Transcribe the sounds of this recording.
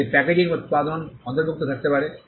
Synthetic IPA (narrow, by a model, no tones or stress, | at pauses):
epɛked͡ʑiŋut̪̚pad̪onɔnt̪oɾbʱuk̚t̪ot̪ʰak̚t̪epaɾe